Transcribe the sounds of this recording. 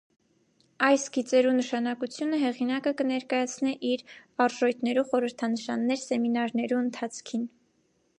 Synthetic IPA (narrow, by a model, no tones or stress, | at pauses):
ɑjsɡit͡sɛɾunəʃɑnɑkut͡sʰjunəɦɛʁinɑkəkənɛɾkɑjɑt͡sʰniʔiɾɑɾʒɔjt̪ʰnɛɾuχɔɾəɾt̪ʰɑnəʃɑnːɛɾsɛminɑɾnɛɾuənt̪ʰɑt͡sʰkʰin